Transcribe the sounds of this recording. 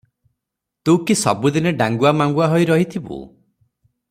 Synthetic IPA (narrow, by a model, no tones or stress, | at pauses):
t̪uwkisɔ̰bud̪ineɖaŋɡuamaŋɡuaɦɔjɾɔɦit̪ʰibṵ